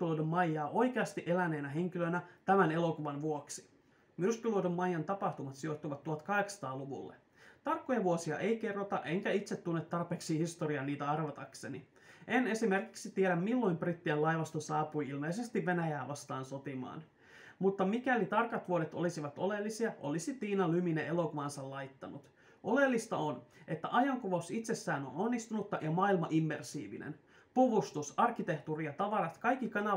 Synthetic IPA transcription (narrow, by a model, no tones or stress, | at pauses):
lodomːɑjːɑːʔo̞jk̟eɑst̪iʔe̞læne̞ːnæɦe̞ŋk̟ilønæt̪æmæne̞lo̞kuʋɑnʋuoksi̥ | myskyludomːɑjːɑnt̪ɑpɑht̪umɑt̪sio̞t̪ːuʋɑt̪ːuot̪kɑɦe̞ksɑ̥t̪ɑːluʋṵlːḛ | t̪ɑrkːojɑʋuosiɑ̰ʔe̞jke̞rːot̪ɑʔe̞ŋkæit̪set̪ːunːet̪ːɑrpeːksihist̪oɾiɑniːt̪æɑrʋɑt̪ɑkse̞nḭ | ene̞sime̞rkiksit̪ieɾæmmilːo̞jmbrit̪ːiælɑjʋɑst̪osɑːpujilmeise̞st̪iʋːe̞næjæːʋɑst̪ɑːnso̞t̪imɑ̰ːn | mut̪ːɑmikælit̪ɑrkɑt̪ʋuodet̪olisiʋɑt̪o̞lelːisiɑʔo̞̰lisit̪iːnɑlyminee̞lo̞kuʋɑnsɑllɑjt̪ːɑnut̪ | o̞le̞lːist̪ɑonʔe̞t̪ːæʔɑjɑŋkuʋɑusit̪se̞sːæːno̰no̞nːist̪unut̪ːɑjɑmɑilmɑʔimːersḭːʋḭnʔḛn | puʋust̪usɑrkːˑit̪e̞ht̪uːrijɑt̪ɑʋɑɾɑt̪kɑjkːikɑnɑ